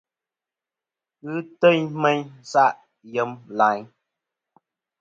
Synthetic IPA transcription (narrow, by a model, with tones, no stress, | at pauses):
ɨ˦tə˦˨ɲme˦ɲsa˦ʔ | jə˨˦mla˨˦ɲ